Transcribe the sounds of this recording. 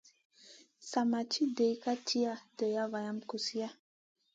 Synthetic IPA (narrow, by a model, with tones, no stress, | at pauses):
sa˨ma˨t͡ʃi˦də˨jka˦tʰi˦a˦˨də˨ja˦va˨ja˦mku˨si˦a˦